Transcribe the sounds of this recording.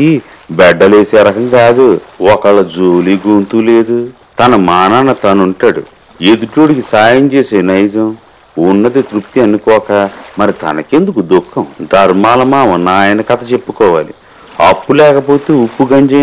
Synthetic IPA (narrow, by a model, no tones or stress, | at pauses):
i | bɛɖːɐleːseːɾɐkɐŋɡaːd̪uɔkɐɭːɐd͡ʒoːliɡuːnt̪uleːd̪u | t̪ɐnɐmaːnaːnɐt̪ɐnuɳʈaːɽṵ | ed̪uʈoːɽikisaːjɐmt͡ʃeːseːnɐjd͡ʒɐm | unːɐd̪it̪ɾupt̪iɐnːukɔːkɐmɐɾit̪ɐ̰nɐke̞nd̪ukud̪ukʰːɐmd̪ʱɐɾmaːlɐmaːʋɐnaːjɐnɐkɐt̪ɐt͡ʃe̞pːukɔːʋa̰ːlḭ | ɐ̰pːulɛːkɐpo̞ːt̪eːupːuɡɐɲd͡ʒe